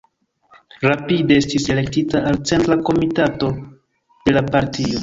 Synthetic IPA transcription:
ɾapide̞estise̞le̞ktitaːlt͡se̞ntɾako̞mitato̞ | d̥e̞lapaɾtio̞

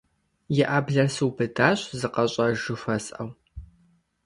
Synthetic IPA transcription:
jɛʔaːbɮɐrsuwbɨdaːɕzɨqɐɕʼɐʒɨxʷɐsʼʔɐw

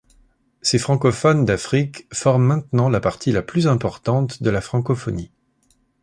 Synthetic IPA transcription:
sefχɑ̃kɔfɔnd̪afχikfɔʁmːɛ̃t̪nɑ̃lapaʁt̪ʰilaplyzɛ̃pɔʁt̪ɑ̃t̪d̪əlafχɑ̃kɔfɔni

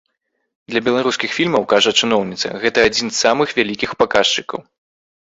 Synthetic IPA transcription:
d̪lʲɐbʲɛlˠaɾuskʲixfʲilʲmɐwkaʐɐt͡ʂɨnɔwnʲit̪sɐ̰ɣɛt̪ɐːd͡zʲinsːamɨxvʲalʲikʲixpakaʂt͡ʂɨkɐ̰w

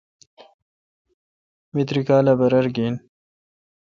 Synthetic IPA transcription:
mit̪ɾikaːlabɐɾɐɾɡiːn

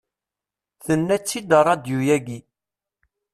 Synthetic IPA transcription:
θənːæt͡sːid̪əɾˤɑd̪jujæɡi

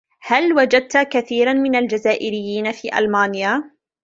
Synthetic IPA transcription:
halwad͡ʒad̪̚t̪akaθiːɾˤanmɪnald͡ʒazaːʔɪɾɪjːiːnafiːʔa̰lmaːnjaː

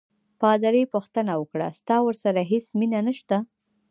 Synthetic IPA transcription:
pɑd̪aɾepuxt̪ənawəkɽa̰st̪ɑwəɾsaɾaɦesminanəʃt̪a

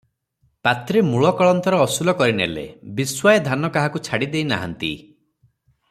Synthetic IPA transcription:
pat̪ɾemuɭɔkɔɭɔnt̪ɔɾɔːsulɔkɔɾinḛlḛbiswajɔd̪ʱanɔkaɦakut͡ʃʰaɽid̪ejna̰ɦa̰nt̪ḭ

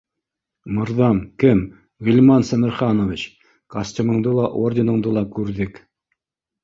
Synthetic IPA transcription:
mŏɾðɑmkɘm | ʁilʲmɑnsɘ̆mɘ̆ɾχɑnovʲit͡ɕ | kɐsʲtʲimɤ̆ɴd̪ɤlˠɑʔordʲɪnɤ̆ɴd̪ɤlˠɑkʉɾðɘk

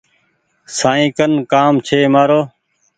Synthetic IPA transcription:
saːĩːkənkaːmt͡ʃʰeːmaːɾoː

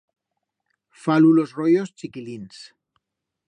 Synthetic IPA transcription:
falulo̞zrojost͡ʃikilins

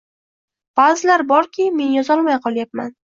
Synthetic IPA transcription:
b̥azɪlaɾbɒɾkʲʰɪme̞njɒzɒlˠmajqʰɒlˠjapman

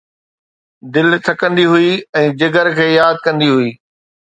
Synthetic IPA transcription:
d̪ɪlt̪ʰɐkə̃nd̪iɦʊiɛ̃ːd͡ʑɐɡəɾkʰeːjaːd̪̚kɐ̃nd̪iɦʊiː

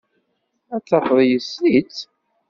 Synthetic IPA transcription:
æt͡sːɑfðˤjəsit͡s

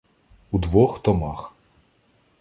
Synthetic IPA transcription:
ud̪ʋɔxt̪ɔmɑx

